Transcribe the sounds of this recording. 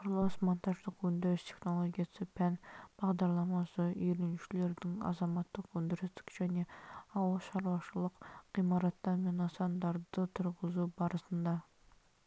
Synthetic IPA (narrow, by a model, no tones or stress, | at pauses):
qʰʊɾlˠosmont̪ʰɑʒlˠəqɵnd̪ɪɾɪst̪ʰe̥χnolˠoɡʲijɑsəpʰænb̥ɑʁd̪ɑɾlˠɑmɑsəiɾenʃɪleɾd̪ɪŋɑ̰zɑmɑt̪ːəqwɵnd̪ɪɾɪsd̪ɪ̥kʲʒ̥æneɑwɑʃɑɾwɑʃəlˠəqːimɑɾɑt̪ːɑnmenɑsɑnd̪ɑɾd̪ət̪ʰʊɾʁəzubɑɾəsənd̪ɑ